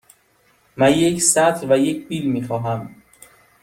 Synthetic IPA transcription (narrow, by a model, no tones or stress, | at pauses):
mænjecsæt̪ʰɾvæjecʰbiːlmiːxɒːɦæm